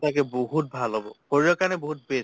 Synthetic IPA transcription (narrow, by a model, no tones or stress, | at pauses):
takɛboɦut̚bʱalɦobɔhoɹijɔkanɛboɦut̚bes